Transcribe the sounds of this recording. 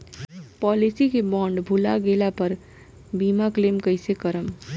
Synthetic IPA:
pɔlisikebɔɳɖbʱulaɡelapəɾ | bimaklemkəjsekəɾəm

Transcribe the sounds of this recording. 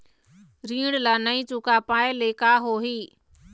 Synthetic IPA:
ɾĩːɽlaːnəĩːt͡ʃukaːpaːeleːkaːɦoːɦiː

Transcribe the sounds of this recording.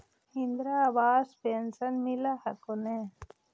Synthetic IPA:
ind̪ɾabaːspensɐnmilahɐkone

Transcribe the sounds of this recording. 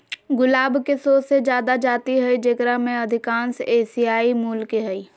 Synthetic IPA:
ɡʊlaːbkesoːsed͡ʒjaːd̪ad͡ʒaːt̪iɦɛid͡ʒekɾamẽəd̪ʱɪkãːnseːsiaːimuːlkeɦəiː

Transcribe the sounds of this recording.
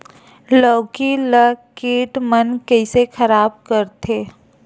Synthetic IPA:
lɔːkiləkeːʈmənkɛɪsexʰəɾaːb̚kəɾt̪ʰeː

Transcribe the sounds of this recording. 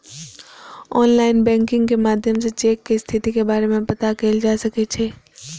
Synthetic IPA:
ɔːnlaːɪnbɛ̃ːŋkɪ̃ŋɡkemaːd̪ʱjəmset͡ʃeːkːest̪ʰɪt̪ikebaːɾemẽpɐt̪akeːld͡ʒaːsɐket͡ʃʰeː

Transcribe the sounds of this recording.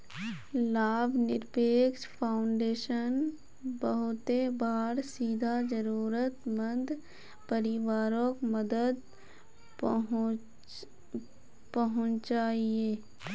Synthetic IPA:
laːbʱnɪɾpeːkʃpʰaːʊɳɖeːʃən | bəɦʊt̪ebaːɾsiːd̪ʱad͡ʒəɾuːɾət̪mə̃nd̪ʱ | pəɾɪʋaːɾõkməd̪əd̪ | pəɦʊ̃t͡ʃt͡ʃaːieː

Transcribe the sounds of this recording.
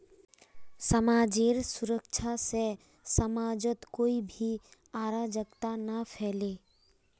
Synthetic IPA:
səmaːd͡ʒeːɾsʊɾəkt͡ʃʰase | səmaːd͡ʒət̪koːibʱi | aːɾaːd͡ʒəkt̪anapʰɛːle

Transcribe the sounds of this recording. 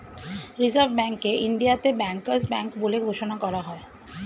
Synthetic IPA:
ɾizaɾbbɛŋkːeʔinɖ̪ijat̪ebɛŋkaɾsbɛŋkboleɡʱoʃonakɔɾaɦɔe

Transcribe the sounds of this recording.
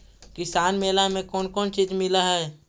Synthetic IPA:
kɪsaːnmeːlamẽkɔːnkɔːnt͡ʃiːzmɪlaɦɛː

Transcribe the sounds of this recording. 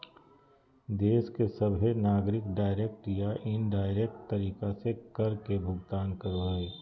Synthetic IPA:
d̪eːskesɐbʱɦenaːɡɾɪkɖaːɪɾeːk̚ʈjaʔɪnɖaːɪɾeːk̚ʈt̪ɐɾiːkasekɐɾkebʱʊɡt̪aːnkəɾoeː

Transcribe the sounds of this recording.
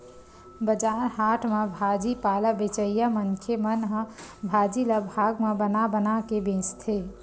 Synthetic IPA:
bəd͡ʒaɾɦaʈʰmebʱad͡ʒipaləbet͡ʃəjamənkʰemənɦə̃bʱad͡ʒiləbʱaɡmebənabənakebẽst̪ʰe

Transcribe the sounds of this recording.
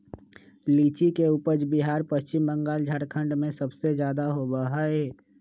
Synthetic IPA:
liːt͡ʃikeʊpəd͡ʒbiɦaːɾpəst͡ʃɪmbə̃ŋɡaːld͡ʒʱaːɾkʰə̃ɳɖmẽsəbsed͡ʒjaːd̪aɦobəɦaeː

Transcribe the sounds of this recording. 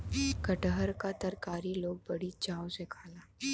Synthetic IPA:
kəʈəɦəɾkat̪əɾkaːɾiːloːɡ̚bəɽiːd͡ʒaːwsekʰaːlaː

